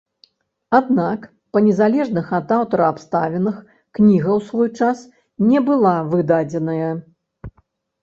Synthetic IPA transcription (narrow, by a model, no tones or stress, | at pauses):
ad̪nak | pɐnʲɛzalʲɛʐnɨxɐd̪awt̪ɐɾɐapst̪avʲɛnɨx | knʲiɣɐwsvɔjt͡ʂas | nʲɛbɨlˠavɨd̪ad͡zʲɛnɐjɐ